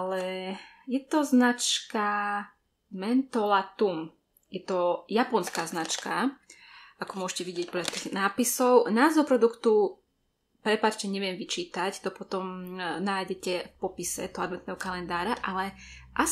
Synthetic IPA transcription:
alɛ | jɛt̪ɔznat͡ʃka | mɛnt̪ɔlat̪um | jɛt̪ɔjapɔnskaːznat͡ʃka | akɔmʊɔʒcɛʋiɟɪɛc̚pɔdʎat̪iːɣnaːpisɔʊnaːzɔpɾɔd̪ukt̪u | pɾɛpat͡ʃcɛɲɛʋɪɛmʋit͡ʃiːt̪act̪ɔpɔt̪ɔmnaːjɟɛcɛfpɔpisɛ̰d̪ɔɦɔad̪mɛnt̪nɛɦɔkalɛnd̪aːɾaʔalɛʔa

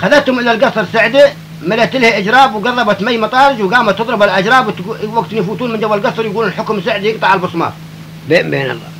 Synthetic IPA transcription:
xaðat̪hʊmʔɪlalɡɑsˤɑɾˤsaʕd̪i | mɪlat̪ɪlhʔɪd͡ʒɾˤɑːbwɡɑðˤːɑbat̪majːmɑt̪ˤɑːɾɪd͡ʒwɡaːmat̪ɨðˤɾɪbalʔad͡ʒɾˤɑːbwt̪waɡt̪njfuːt̪uːnmɪnd͡ʒawːalɡɑsˤɑɾjɪɡuːunlħʊkmsaʕd̪ijɪɡ̚t̪ˤɑʕalbʊsˤmɑ̰ːɾˤ | bebḛːnɑ̰lˤːɑ̰

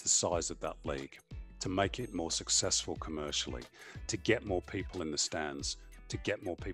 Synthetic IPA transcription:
ðəsaɪzəvðə̰ʔˡliɡ̥tʰəmeɪkɪt̚mɔɹsɨksɛsfəlˠkʰəmɜˑ˞ʃl̩ˠḭ | tʰɨɡɛʔ̚mɔːpʰiˑpʰəl̩ˠɪ̃nðɨstæ̃ndz̥ | tʰɨɡɛʔ̚mɔɹpʰi

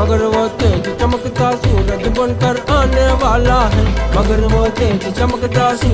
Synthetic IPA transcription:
ɐɡɐɾʋoːt̪eːt͡ʃit͡ʃɐmɐkɐt̪aːsuːlɐd̪ibɐnkɐɾaːnejɐʋaːlaːɦɐlmɐɡɐɾʋoːt̪ẽːt͡ʃit͡ʃɐmɐkd̪aːsu

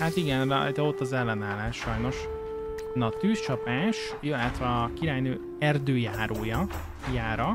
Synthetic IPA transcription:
hat̪iɡɛnvɛ̰d̪ɛo̞t̪ːɒzɛlːɛnaːlaːʃʃɒjno̞ʃ | nɒt̪yːst͡ʃɒpaːʃ | jilɛt̪ʋɛɒkiɾaːjnøː | ɛrd̪øːjaːɾʔoːjɒ | jaːɾɒ

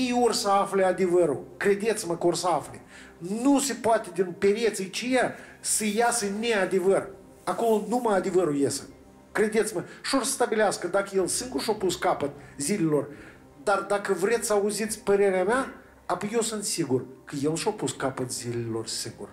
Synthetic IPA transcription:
jejorʲsəaflead̪evəɾukɾed̪et̪sʲməkəorsəafle | nusepoat̪ʲed̪inpeɾjet̪sijt͡ʃijasəjasənead̪e̞vər | ako̞lonumajad̪e̞vəɾujesə̰ | kɾed̪et̪sməʃorsə̥st̪abileaskəd̪akəjelsɨŋɡurʃopuskapət̪̚zilelo̞r | d̪ard̪akəvɾet̪sʲsəauzit̪sʲpəɾeɾeama | apojewsɨnt̪siɡurkəjelʃopuskapət̪zileelo̞rsɨŋɡṵr

